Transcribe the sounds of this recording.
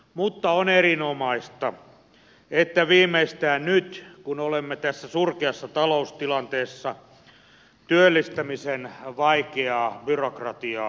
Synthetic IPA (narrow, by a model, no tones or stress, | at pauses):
mut̪ːɑonerinomɑist̪ɑ | et̪ːæʋiːmːˑeist̪æːnnyt̪kunolemːet̪æsːæsurkeɑsːɑt̪ɑloust̪ilɑnt̪eːsːɑ | t̪yølːist̪æmisenʋɑikeɑːbyrokrɑt̪iɑː